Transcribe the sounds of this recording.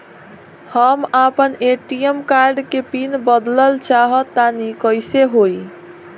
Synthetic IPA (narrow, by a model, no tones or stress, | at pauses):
həmapəneʈijemkaɾɖkepinbəd̪ləlt͡ʃaɦət̪anikəjseɦoj